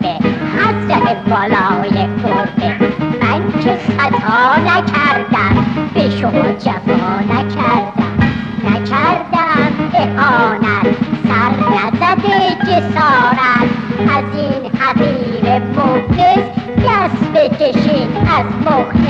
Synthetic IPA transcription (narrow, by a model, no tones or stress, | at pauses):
behæt̪zæmebɒːlɒːjeɡoɾbemæŋkʰesæt̪ʰɑːnækʰæɾd̪æmb̥eʃomɑːd͡ʒæfɒːnækʰæɾd̪æmnækʰæɾd̪æmʔehɒːnæt̪̚sæɾnæzæd̪ed͡ʒesɒːɾæt̪æziːnhæziːmepʰolesɡæsbekʰeʃiːnæzbokn